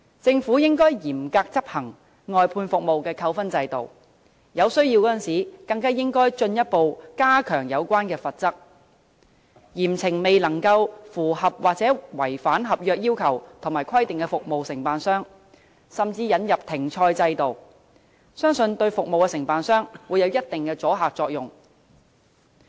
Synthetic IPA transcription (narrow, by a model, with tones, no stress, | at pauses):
t͡sɪ˧ŋfu˨˥jɪ˥ŋkɔː˥jjiː˨˩mkaː˧k̚t͡sɐ˥p̚hɐ˨˩ŋ | ŋɔː˨˧jpʰuː˧nfʊ˨k̚mo˨wkɛː˧kʰɐ˧wfɐ˥nt͡sɐ˧jt̪o̰˨˩w | jɐ˨˧wsɵ˥ɥji˧wkɔː˨˥ɐ˨nsiː˨˥kɐ˧ŋkaː˥jɪ˥ŋkɔː˥jt͡ʃɵ˧njɐ˥t̚po˨wkaː˥kʰœː˨˩ŋjɐ˨˧wkʷaː˥nkɛː˧fɐ˨t̚t͡sɐ˥k̚ | jiː˨˩mt͡sʰɪ˨˩ŋme˨jlɐ˨˩ŋkɐ˧wfuː˨˩ɦɐ˨p̚waː˨k̚t͡sɛː˨˥wɐ˨˩jfaː˨˥nɦɐ˨p̚jœː˧k̚jiː˥wkʰɐ˨˩wt̪ʰʊ˨˩ŋmaː˨jkʰɐ˥jt̪ɪ˨ŋkɛ˧fʊ˨k̚mo˨wsɪ˨˩ŋpaː˨nsœː˥ŋ | sɐ˨mt͡siː˧jɐ˨˧njɐ˨p̚t̪ʰɪ˨˩ŋt͡ʃʰɔː˧jt͡sɐ˧jt̪o˨w | sœː˥ŋsɵ˧nt̪ɵ˧ɥfʊ˨k̚mo˨wkɛː˧sɪ˨˩ŋpaː˨nsœː˥ŋwu˨˧jɐ˨˧wjɐ˥t̚t̪ɪ˨ŋkɛː˧t͡sɔː˨˥ɦaː˨k̚t͡ʃɔː˧k̚jʊ˨ŋ